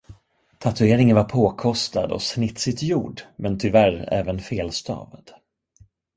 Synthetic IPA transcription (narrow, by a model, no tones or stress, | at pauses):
t̪ʰat̪ɵeːɾɪŋənvaɾpʰoːkʰɔst̪a̰d̪ɔ̰snɪt̪sɪt̪juːɖmɛnt̪ʰʏvæɾɛ̰ːvənfeːlst̪ʰɑ̰ːvad̪̥